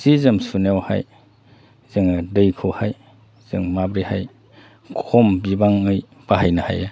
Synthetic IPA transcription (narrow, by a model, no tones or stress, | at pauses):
zizɯmsunawha̰j | z̥ɯŋdɯjkʰohaj | z̥ɯŋmabɾihaj | kʰɔmbibaŋɯj | paɦajnaha̰ja